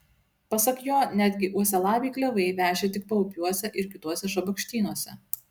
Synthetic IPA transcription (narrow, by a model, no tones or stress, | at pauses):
pɐsɐkjoːnʲæːd̪ʲɡʲɪʔuɔsʲɛlˠɑːʋʲiːklʲɛʋɐɪʋʲæːʒʲet̪ʲɪk̚pɐʊpʲjuɔsʲɛʔɪɾkʲɪt̪uɔsʲɛʒɐbɐkʃʲt̪ʲiːnuɔsʲɛ